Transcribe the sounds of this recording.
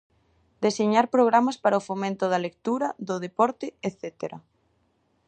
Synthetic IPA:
d̪eseɲaɾpɾoɣɾamɐspaɾɐofomẽnt̪ʊðɐlek̚t̪uɾɐðʊðepɔɾt̪ɪeθet̪eɾɐ

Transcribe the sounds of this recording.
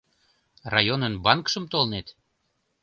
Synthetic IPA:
rɑjonənbɑnkʃəmt̪olnet̪

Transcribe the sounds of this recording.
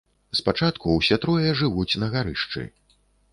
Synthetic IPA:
spat͡ʂat̪kuwsʲɛt̪ɾɔjɛʐɨvut͡sʲnɐɣaɾɨʂt͡ʂɨ̰

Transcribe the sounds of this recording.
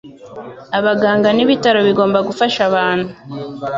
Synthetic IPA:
aβaɡaːŋɡaniβitaɾo̞βiɡo̞ːmbaɡufaʃaβaːn̥hu

